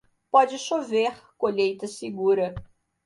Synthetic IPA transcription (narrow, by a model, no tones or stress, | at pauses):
pɔd͡ʒɪʃoveɾkoʎejt̪ɐsɪɡuɾɐ